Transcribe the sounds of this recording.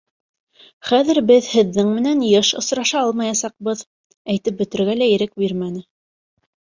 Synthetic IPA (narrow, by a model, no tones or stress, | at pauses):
χæðɘ̆ɾbɘðhɘ̆ðːɘŋmɘ̆nænjɤʃŏsɾɑʃɑɑlˠmɑjɑsɑq̚bɤð | æjt̪ɘp̚bɵ̆t̪ɘ̆ɾɡælæjɘ̆ɾɘk̚biɾmænɘ